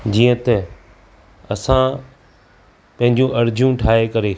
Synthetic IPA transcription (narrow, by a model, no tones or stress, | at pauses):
d͡ʑiːə̃t̪ɛ | ɐsã | pɐ̃ɦɪ̃ɲd͡ʑũʔɐɾɪd͡ʑʱjũʈʰaːekɐɾe